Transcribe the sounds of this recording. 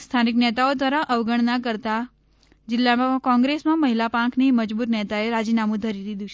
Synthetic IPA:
st̪ʰaniknɛt̪aod̪ʋaɾaʔəʋɡəɳ̃nakəɾt̪a | d͡ʒɪlːamãkɔ̃ŋɡɾesmãməɦilapãkʰniməd͡ʒbuɾnɛt̪aeɾad͡ʒinamũd̪ʱəɾid̪id̪ũt͡ʃʰ

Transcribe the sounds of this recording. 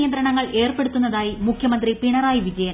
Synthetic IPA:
ijɐnd̪ɾɐɳɐŋːɐɭe̞ːrpe̞ɽut̪ːunːɐðaːjimukʰjɐmɐnd̪ripiɳɐɾaːjiʋid͡ʑɐjɐn

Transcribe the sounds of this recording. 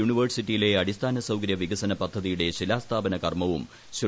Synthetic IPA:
uːɳiʋɐrsitːijile̞ɐɽist̪ʰaːnɐsɐwkɐɾjɐʋiɡɐsɐnɐpɐd̪ʱːɐðijuɽe̞ɕilaːst̪ʰaːbɐnɐkɐrmɐʋum | ɕu

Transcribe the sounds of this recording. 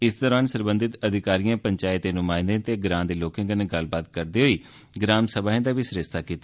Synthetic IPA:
ɪsd̪ɔːɾaːnsəɾbənd̪ɪt̪əd̪ʱɪkaːɾijãːpəɲt͡ʃaːɪt̪ːeːnʊmãːɪ̃nd̪ẽːt̪eːɡɾãːnd̪eːloːkẽːɡəneɡəlbaːt̪̚kəɾd̪eːɦoiː | ɡɾaːmsəbaːɦẽːd̪aːʋiːsɾɪst̪aːkiːt̪aː

